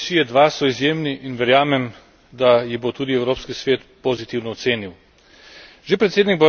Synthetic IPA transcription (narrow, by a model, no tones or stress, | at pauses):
ʃijɛd̪ʋasɔizjeːmniʔːnʋɛɾjaːmɛm | d̪ajibot̪uːd̪iɛwɾoːpskisʋeːt̪pozit̪iwnɔɔt̪seːniw | ʒ̥epɾɛt̪seːd̪niɡ̚ba